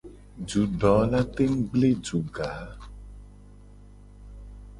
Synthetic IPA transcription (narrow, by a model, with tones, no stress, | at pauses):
d͡ʒu˨˦ɖɔ˨˦la˦t̪e˦ŋ̩˦ɡ͡ble˦d͡ʒu˨ɡa˨˦